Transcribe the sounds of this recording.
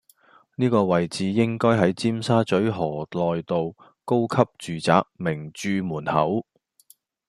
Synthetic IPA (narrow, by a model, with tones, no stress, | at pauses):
niː˥kɔː˧wɐ˨jt͡siː˨˥jɪ˥ŋkɔː˥jɦɐ˨˥jt͡siː˥msaː˥t͡ʃɵ˨˥ɥɦɔː˨˩lɔː˨jt̪o˨w | ko˥wkʰɐ˥p̚t͡ʃyː˨t͡sa̰ː˨˧k̚mɪ˨˩ŋt͡ʃyː˧muː˨˩nhɐ̰˨˥w